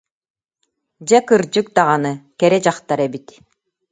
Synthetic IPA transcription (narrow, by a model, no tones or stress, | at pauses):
d͡ʑɛkɯɾd͡ʑɯk̚d̪aʁanɯkɛɾɛd͡ʑaχt̪aɾɛbit̪